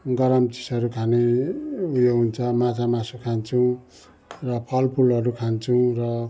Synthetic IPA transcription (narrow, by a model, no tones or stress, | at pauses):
ɡʌɾʌmt͡si̥sʌɾukʰane | ujoɦunt͡sʰʌmat͡samasukʰant͡sʰũ | rʌpʰʌlpʰulʌɾukʰant͡sʰũrʌ